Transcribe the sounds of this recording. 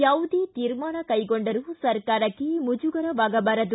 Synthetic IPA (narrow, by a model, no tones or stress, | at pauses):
jaːʋud̪eːt̪iːɾmaːɳɐkɐjɡoɳɖɐɾusɐɾkaːɾɐkːemud͡ʒuɡɐɾɐʋaːɡɐbɐɾɐd̪u